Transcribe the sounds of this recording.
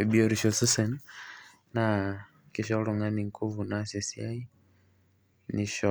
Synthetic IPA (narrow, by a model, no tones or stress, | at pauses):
ɛbiɔɾiʃɔsusɛn | na | kiʃ̬ɔɾɔŋaniŋkʰuvunasisiai | niʃɔ